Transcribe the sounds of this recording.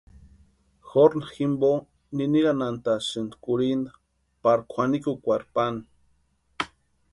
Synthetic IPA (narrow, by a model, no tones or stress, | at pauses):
xoɾnaximbo | niniɣanant̪asɨnd̪kuɾind̪a | paɾkʷʰanikukʷaɾpan